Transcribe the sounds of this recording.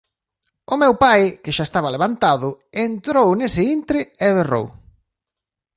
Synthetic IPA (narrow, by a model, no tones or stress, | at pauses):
ʊmewpajkɪʃaest̪aβɐleβant̪aðʊent̪ɾownesɪint̪ɾɪeβero̰w